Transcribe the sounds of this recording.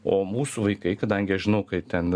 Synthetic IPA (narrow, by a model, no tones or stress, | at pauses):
oːmuːsuʋɐɪkɐɪkɐd̪ɐŋʲɡʲɪɐʃʒʲɪnɐʊkɐɪt̪ʲɛn